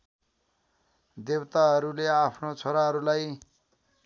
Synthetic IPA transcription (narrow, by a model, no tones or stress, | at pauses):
d̪ebt̪aɦʌɾuleapʰnot͡sʰoɾaɦʌɾulaj